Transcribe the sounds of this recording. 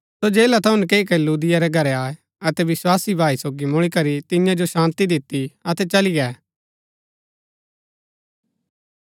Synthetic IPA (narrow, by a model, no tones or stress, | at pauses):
sod͡ʒeːlat̪ʰɐʊ̃nkeːik̬ɛluːd̪ɪjaɾɛɡʱɐɾɛaːe | ɐt̪ɛʋɪswaːsibʱaːisoːɡimʊɭ̃ikɐɾit̪ɪjãd͡ʒoʃãːnt̪id̪ɪt̪ːiɐt̪ɛt͡ʃɐliɡɛː